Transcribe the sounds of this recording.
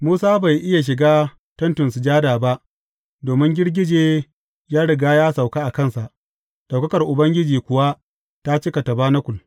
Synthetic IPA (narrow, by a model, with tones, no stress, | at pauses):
muː˦saː˦ba˨jʔɪ˦ja˨ʃ̬ɪ˨ɡaː˦ | tɐ˦ntʊ˨nsu˨d͡ʒaː˦daː˨ba˦ʔ | doː˨mɪ˦ŋɡʲɪ˦rɡʲɪ˦d͡ʒeː˨ | jaː˦ɽɪ˨ɡaː˦jaː˦sa˨wkaː˦ʔa˨kɐ˦˨nsa˨ʔ | ɗa˨wkɐ˦kɐ˨rʔʊ˨bɐ˦ŋɡʲɪ˦d͡ʒiː˨kʷʊ˨wa˦ | ta˦t͡ʃɪ˦ka˨tɐ˨baː˦na˦kʷʊ˨l